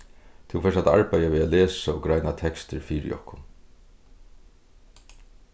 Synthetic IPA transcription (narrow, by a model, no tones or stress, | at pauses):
t̪ʰɪwfɛsat̪aɹpajaʋiːalɛːsaɔɡɾajnat̪ʰɛkst̪əɾfiːɾɪ̰ʔɔ̰hkʊn